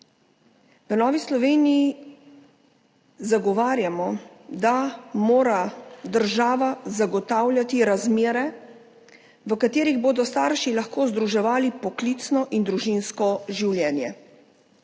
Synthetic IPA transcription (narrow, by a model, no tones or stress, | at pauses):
ʋənɔːʋislɔʋeːniji | zaɡɔʋaːɾjamɔd̪amoːɾad̪əɾʒaːʋazaɡɔt̪awlʲjat̪iɾazmeːɾɛ | ʋəkat̪eːɾiɣboːd̪ɔst̪aːɾʃilaxkoːzd̪ɾuʒɛʋaːlipɔklit̪snɔʔind̪ɾuʒinskɔʒiwljɛːnjɛ